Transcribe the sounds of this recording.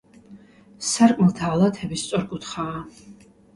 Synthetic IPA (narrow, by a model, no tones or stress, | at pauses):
saɾkʼmlˠt̪ʰaːlˠat̪ʰɛbist̪sʼɔɾkʼut̪ʰχaː